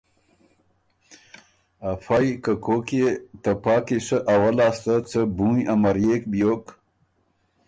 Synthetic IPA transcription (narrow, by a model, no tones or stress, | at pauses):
afajkəkoket̪əpɑːkiʂəʔawalaːst̪at͡səbũjamaɾjekbjoːk